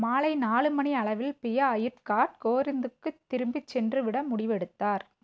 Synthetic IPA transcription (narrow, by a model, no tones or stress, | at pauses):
maːlɐɪnaːlɯmɐniɐɭɐʋɪlpɪjɐːjɪɾkaːʈ̚koːɾɪnd̪ɯkːɯt̪ːɪɾɯmbɪt͡ʃːɛndrɯʋɪɽɐmʊɽɪʋɛɽɯt̪ːaːɾ